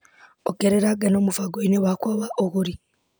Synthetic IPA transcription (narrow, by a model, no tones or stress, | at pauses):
okeɾeɾaɡanoːmufaɡoineβakoβaʔoɣuɾi